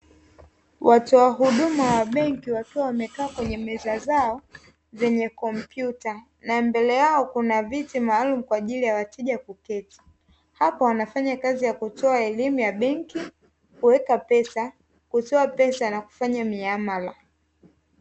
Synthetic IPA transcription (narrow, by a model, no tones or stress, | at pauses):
watɔaɦuɗumawaɓɛŋkiwakiawamɛkaːkwɛɲɛmɛzazaɔ | zɛɲɛkɔm̩pjuta | nambɛlɛjaɔkunavitimaːlum̩kwaʄilijawatɛʄakukɛti̥ | hapawanafaɲakazijakutɔaɛlimujaɓɛŋki | kuwɛkapɛsa | kutɔapɛsanaku̥faɲamiamala